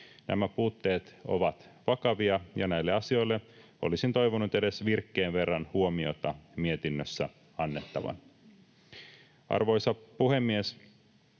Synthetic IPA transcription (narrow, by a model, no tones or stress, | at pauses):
næ̰mæpuːt̪ːe̞ːt̪o̞̰ʋɑt̪ʋɑkɑʋiɑjɑnæilːeɑsio̞jlːeʔo̞̰lisint̪o̞jʋonut̪ede̞sʋirkːeːnʋe̞rːɑnhuomio̞̰t̪ɑmiet̪inːøsːæ̰ | ɑnːet̪ːɑʋɑ̰n | ʔɑ̰rʋo̞jsɑpuhe̞mːies